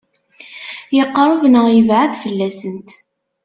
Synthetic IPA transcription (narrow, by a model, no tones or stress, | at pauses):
jəqːɾˤʊvnəʁjəvʕaðfəlːæsənt̪